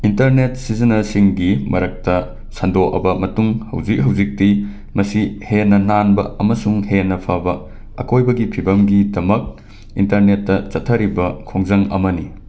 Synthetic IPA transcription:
intɐɾnet̚sizɐnɐsiŋɡimɐɾɐk̚tɐ | sɐndoʔɐ̰bɐmɐtuŋhɐ̰wd͡ʒik̚ɦɐwzik̚ti | mɐsihenɐnanbɐɐmɐsuŋhenɐpʰabɐː | kojbɐɡipʰibɐmɡidɐmɐk̚ | intɐɾnetːɐt͡ʃɐtʰːɐɾibɐkʰoŋzɐŋɐ̰mɐni

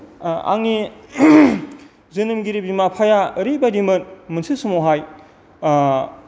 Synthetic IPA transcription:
a̰ŋni | zɯnɯmɡiɾibimapʰajaəɾibaɾimɯnmɯnsʰisumoɦaj

